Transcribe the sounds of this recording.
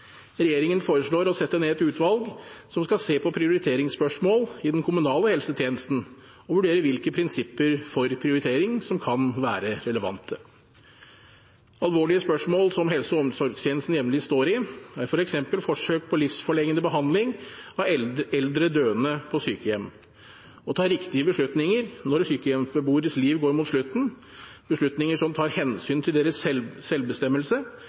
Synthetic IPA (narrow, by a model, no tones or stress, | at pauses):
ɾɛjeːɾɪŋənfoːɾəʂɭoːɾɔsɛt̪ːəneːɛt̪ʉːt̪ʰʋɑlɡsɔmskɑseːpʰɔpʰɾɪʊɾɪt̪ʰeːɾɪŋspœʂmoːlɪd̪ɛnkʰʊmʉnɑːləhɛlsət̪ʰjeːnəst̪n̩ | ɔʋʉɖeːɾəʋɪlkəpʰɾɪnsɪpːəɾfɔɾpʰɾɪʊɾɪt̪ʰeːɾɪŋsɔmkʰɑnʋæːɾəɾɛləʋɑ̰nt̪ʰə | ɑlʋoːɭɪəspœʂmoːlsɔmɦɛlsəɔɔmsɔɾɡst̪jeːnst̪n̩jɛʋnlɪst̪oːɾɪæɾfɔɾɛksɛmpəlfɔʂøːk̚pʰɔlɪfsfɔɭɛŋɡənəbəɦɑnd̪lɪŋɑɛɛld̪ɾəd̪øːənəpʰɔsyːkəjɛm | ɔt̪ʰɑːɾɪkt̪ɪəbəʂɭʉt̪nɪŋəɾnɔɾsyːkəjɛməbuːɾəsliːʋɡoːɾmuːt̪ʂɭʉt̪n̩ | bəʂɭʉt̪nɪŋəʂɔmt̪ʰɑːɾhɛnsyːnt̪ʰɪld̪eːɾəsɛːɛlbəst̪ɛmːəlsə